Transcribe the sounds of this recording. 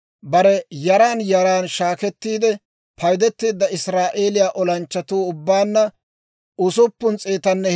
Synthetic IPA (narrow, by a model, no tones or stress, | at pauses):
bɐɾɛjɐɾaːnjɐɾaːnʃaːkɛt̪ːiːd̪ɛ | pʰɐjd̪ɛt̪ːiːd̪ːɐɪsɾaːʔe̞ːlɪjaːʔɔlɐnt͡ʃːɐt̪uːʊbːaːnːɐ | ʊsʊpːʊnt͡sʼeːt̪ɐnːɛ